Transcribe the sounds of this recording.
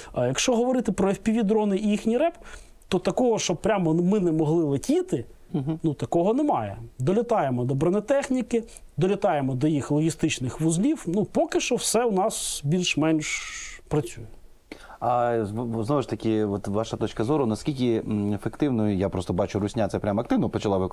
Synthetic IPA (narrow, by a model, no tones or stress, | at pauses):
jɐkʃt͡ʃɔɦɔʋɔɾɪt̪ɪpɾɔwʲpʲiʋʲid̪ɾɔnɪjixnʲiɾɛp | t̪ɔt̪ɐkɔɦɔʃt͡ʃɔb̚pɾʲamɔmɪnɛmɔɦlˠɪlˠɐtʲit̪ɪ | nut̪ɐkɔɦɔnɛmɑjɛ̰d̪ɔlʲɐt̪ɑjemɔd̪ɔbɾɔnɛt̪ɛxnʲikɪ | d̪ɔlʲɐt̪ɑjemɔd̪ɔjixlˠɔɦʲist̪ɪt͡ʃnɪxʋʊzlʲiwnupɔkɪʃt͡ʃɔwsɛwnɑsbʲilʲʃmɛnʲʃpɾɐt͡sʲujɛ | ɐznɔʋɪʃt̪ɐkʲɪɔt̪ʋɑʃɐt̪ɔt͡ʃkɐzɔɾʊnɐskʲilʲkʲɪefekt̪ɪwnɔjʊjapɾɔst̪ɔbɑt͡ʃʊɾʊsʲnʲat̪sɛpɾʲamɔɐkt̪ɪʋnɔpɔt͡ʃɐlˠaʋɪ